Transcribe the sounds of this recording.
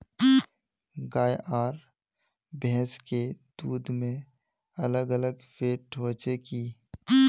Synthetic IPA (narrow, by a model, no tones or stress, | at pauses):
ɡaːjʔaːɾ | bɛ̃ːsked̪̥uːd̪mẽ | ələɡələɡfeːʈʰoːt͡ʃekiː